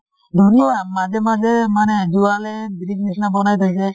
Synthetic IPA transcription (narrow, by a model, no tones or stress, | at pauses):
d̪ʱuniamad͡ʒɛmad͡ʒɛmanɛd͡ʒualɛbiɾiɡ̚nisnabɔnajt̪ajsɛ